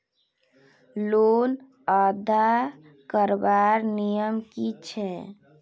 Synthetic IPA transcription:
lon | əd̪ʱa | kəɾbaɾnijəmkit͡ʃʰɛ

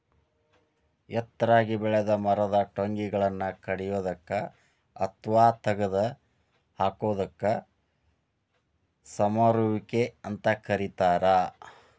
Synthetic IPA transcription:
jɛt̪ːɾaːɡibɛɭɛd̪ɐmɐɾɐd̪ɐʈoŋɡiɡɐɭɐnːɐkɐɽɛjoːd̪ɐkːɐ | ɐt̪ʋaːt̪ɐɡɐd̪ɐ | haːkoːd̪ɐkːɐ | sɐmaɾuʋikeɐnt̪ɐkɐɾit̪aːɾɐ

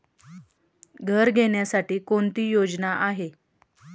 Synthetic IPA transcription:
ɡʱəɾɡʱeɳjasaʈiːkoɳt̪iːjod͡znaʔaɦe

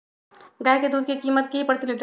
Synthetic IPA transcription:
ɡajked̪uːd̪̚kekiːmət̪̚keipɾət̪iniɖɾ

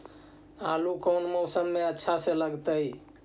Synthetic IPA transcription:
alukəwnmowsəmːeətːʃʰasẽləɡt̪əj

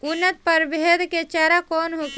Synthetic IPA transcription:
unːət̪̚pəɾbed̪ket͡ʃaɾakonɦuk

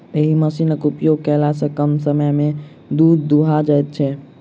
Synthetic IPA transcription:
eɦiməsinəkupjoɡ̚kɛlasə̃kəmsəməme | d̪ud̪ːuɦad͡ʒajt̪̚t͡ʃʰɛ

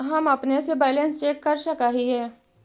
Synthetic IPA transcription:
ɦɐmɐpnesebɛːlə̃nst͡ʃeːkːɐɾʃəkaːɦiɦɛː

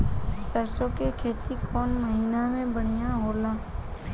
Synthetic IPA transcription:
səɾsõkekʰeːt̪ikʰɔːnməɦinamẽbəɽ̤̃ijaɦoːlaː

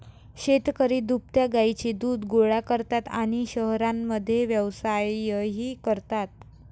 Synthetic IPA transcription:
ɕet̪kəɾid̪up̚t̪jaɡajt͡ɕid̪uːd̪ɡoɭakəɾt̪at̪a̰ɽ̃iɕəɦɾamːəd̪ʱːjeʋjəʋsajːəɦiːkəɾt̪at̪̚

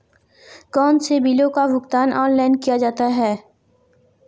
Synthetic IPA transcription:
kɔːnsebiːlõkaʋʊkt̪aːnʔɔːnlaːɪnkijad͡ʒaːt̪aɦɛː

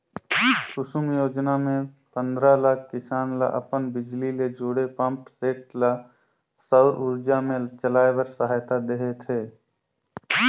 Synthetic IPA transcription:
kʊsumjoːd͡ʒnamẽ | pə̃nd̪ɾalaːkʰkɪsaːnla̰ʔə̰pənbɪd͡ʒliled͡ʒoːɽepə̃mpseːʈla | səʊɾʔʊɾd͡ʒamẽt͡ʃəlaːewəɾsəɦaːjt̪ad̪eɦet̪ʰeː

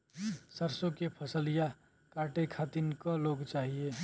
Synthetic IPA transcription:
səɾsõkepʰəsəlija | kaːʈekʰaːt̪inkəloːɡt͡ʃaːɦie

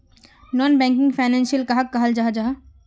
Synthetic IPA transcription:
nɔːnbɛ̃ːŋk̬ɪ̃ŋɡfʰaɪnɛ̃nsijəlkaɦakːɐɦəld͡ʒaːɦd͡ʒaːɦ

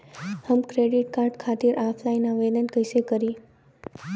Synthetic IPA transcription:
həmkɾeɖiʈkaɾɖkʰat̪iɾʔapʰlajnaʋed̪ənkəjsekəɾi

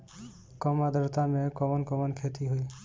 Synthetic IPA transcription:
kɔmad̪ʱɔɾt̪amekɔmɔnkɔmɔnkʰet̪iɦuj

